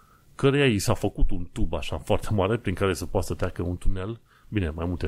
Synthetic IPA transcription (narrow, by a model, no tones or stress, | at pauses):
kəɾejaisafəkut̪unt̪ubaʃafoart̪ʰe̞maɾe̞pɾiŋkaɾe̞səpoat̪sət̪ɾʲakəunt̪une̞l | bine̞majmult̪e